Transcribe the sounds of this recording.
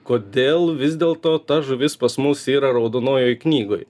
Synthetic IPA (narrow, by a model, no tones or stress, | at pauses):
koːd̪ʲeːlˠʋʲɪzʲd̪ʲeːlˠt̪oːt̪ɐʒʊʋʲɪspɐsmʊsiːɾɐɾɐʊd̪oːnoːjoːjknʲiːɡoj